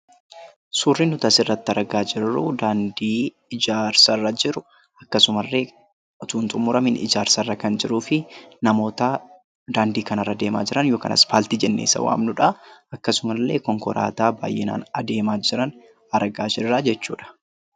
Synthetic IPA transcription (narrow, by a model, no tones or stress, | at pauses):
suːrːinhʊt̪ɐsɪrːɐt̪ːɪɐɾɐɡaːd͡ʒɪrːʊd̪aːnd̪iː | ɪd͡ʒaːɾsɐrːɐd͡ʒɪɾʊ | ɐkːɐsʊmɐlːe̞ː | t̪uːnt̪ʼʊmːʊɾɐmɪnɪ̰d͡ʒaːɾsɐrːɐkɐnd͡ʒɪɾuːfɪnɐmo̞ːt̪ɐ | d̪aːnd̪iːkɐnɐrːɐd̪e̞ːma̰ːd͡ʒɪɾɐnjo̞ːkɐ̰nʔɐ̰sfaːlt̪iːd͡ʒɛnːḛːsɐ̰wa̰ːmnʊᶑɐɐkːɐsʊmɐlːe̞̰ːkɔŋkɔ̰ɾa̰ːt̪aːba̰ːjɪna̰ːnɐd̪e̞ːmaːd͡ʒɪɾɐn | ɐɾɐɡaːd͡ʒɪɾɾaːd͡ʒɛt͡ʃːṵːᶑɐ̥